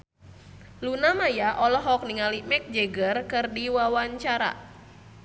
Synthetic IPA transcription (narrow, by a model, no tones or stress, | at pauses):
lunamajaʔɔlɔɦɔk̚niŋalimɛk̚d͡ʒeɡərkɨrdiwawaɲt͡ʃaɾa̰